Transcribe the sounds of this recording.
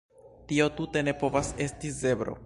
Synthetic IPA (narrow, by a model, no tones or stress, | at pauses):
tio̞tute̞ne̞po̞vase̞stize̞bɾo̰